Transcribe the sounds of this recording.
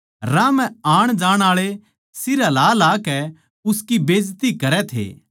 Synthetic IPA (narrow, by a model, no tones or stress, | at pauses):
ɾãːmɛ̃aːɽ̃d͡ʒaːɽ̃aːɭe | sɪɾalaːlaːkɛ | ʊskibeːd͡ʒt̪ikɐɾɛt̪ʰḛː